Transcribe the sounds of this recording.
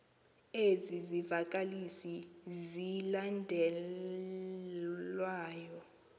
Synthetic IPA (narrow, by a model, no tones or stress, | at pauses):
ezizivakʼalisizilandʱɛ | lwaːjɔ